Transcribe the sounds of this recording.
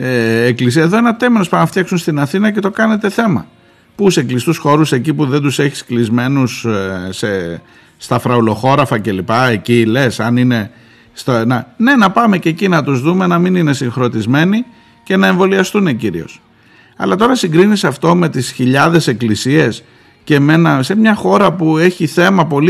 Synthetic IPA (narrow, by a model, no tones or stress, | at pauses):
eːklisiɐeðo̞enɐt̪e̞menospɐnɐft̪çɐksunst̪inɐθinɐce̞t̪o̞kɐne̞t̪e̞θe̞mɐ̰ | puseklist̪usxo̞ɾuse̞cipuðe̞nd̪use̞çi̥sklizme̞nusse | st̪ɐfɾɐulo̞xo̞ɾɐfɐce̞lipɐe̞cile̞sɐnine̞ | st̪ɐnɐne̞nɐpɐme̞cecinɐt̪uzðume̞nɐminine̞siŋxɾo̞t̪izme̞ni | ce̞nɐeɱvo̞liɐst̪uneciɾḭo̞̰s | ɐ̰lɐt̪o̞ɾɐsiŋɡɾinisɐft̪o̞me̞t̪isçiʎɐðe̞se̞klisie̞s | ce̞me̞nɐse̞mɲɐxo̞ɾɐpue̞çiθe̞mɐpo̞li